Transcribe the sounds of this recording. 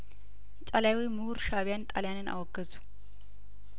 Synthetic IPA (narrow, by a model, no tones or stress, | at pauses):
t̪ʼaljawimuhuɾʃaβjant̪ʼaljanɨna̰wɔɡːəzu̥